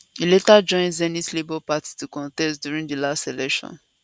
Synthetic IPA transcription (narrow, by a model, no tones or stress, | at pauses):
iletad͡ʒɔ̃ɪ̃nzɛnislebɔpati̥tukɔ̃ntɛstdjuɹĩŋdilastelɛkʃɔ̰̃n